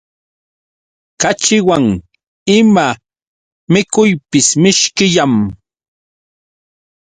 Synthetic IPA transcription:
kat͡ʃɪwaŋ | ɪma | mɪkʊjpɪsmɪʃkɪʎam

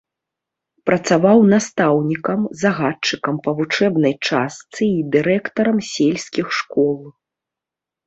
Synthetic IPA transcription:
pɾɐt̪savawnast̪awnʲikɐmzaɣat͡ʂɨkɐmpɐvut͡ʂɛbnɐjt͡ʂast̪sɨid̪ɨɾɛkt̪ɐɾɐmsʲelʲsʲkʲixʂkɔlˠ

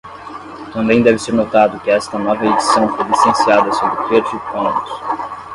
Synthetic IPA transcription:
t̪ɐ̃mbẽj̃d̪ɛvɪseɾnot̪ad̪ʊkɪɛst̪ɐnɔvɐed͡ʒisɐ̃w̃fojlisẽsiad̪ɐsobɾɪkeɾd͡ʒipõʊs

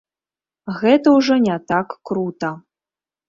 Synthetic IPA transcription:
ɣɛt̪ɐwʐɔnʲat̪akːɾut̪ɐ

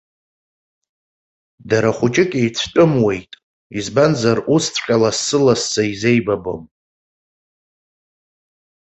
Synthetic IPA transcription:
daɾaχʷʊt͡ʃʼɪkʲʼejt͡sʷʰt͡ʃʷʼʊmwe̞jtʼ | izbanzarust͡sʷʰχʲʼalasːɨlasːaize̞jbabo̰m

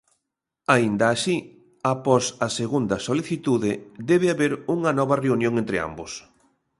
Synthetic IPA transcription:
aind̪ɐːʃi | apɔsɐseɣund̪ɐsoliθit̪uðed̪ɛβɪaβeɾuŋɐnɔβɐreunjõŋent̪ɾɪa̰mbʊs

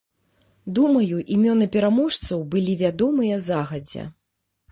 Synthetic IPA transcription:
d̪umɐjuʔimʲɔnɨpʲɛɾamɔʂt̪sɐwbɨlʲivʲad̪ɔmɨjɐzaɣɐd͡zʲɛ̰

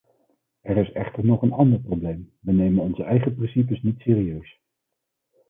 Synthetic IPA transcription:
ɛɹɪsɛ̰χtəɹnɔχənɑndəɹprowblejm | ʋənejmənɔnzəɛjχəprɪnsip̬əsnitsɪːɾiøɥs

